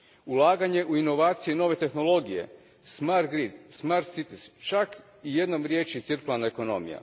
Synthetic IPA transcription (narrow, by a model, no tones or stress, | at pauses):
ulˠaːɡaɲe̞ʔuino̞ʋaːt̪sijeno̞ʋe̞t̪e̞xno̞lˠo̞ɡije̞̰ | smaɾt̪̚ɡɾit̪smaɾt̪sit̪ist͡ʃak | ije̞d̪nomɾjeːt͡ʃit̪sɨɾkulˠanaeko̞no̞̰mḭja̰